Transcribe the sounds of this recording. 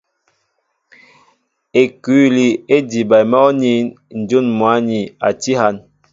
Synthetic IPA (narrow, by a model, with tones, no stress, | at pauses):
e˨ku˨˦li˨e˦di˨ba˨jmɔ˦ni˦ | n̩˨d͡ʒu˦˨nmwa˨˦ni˨a̰˨ti˦ha˦˨n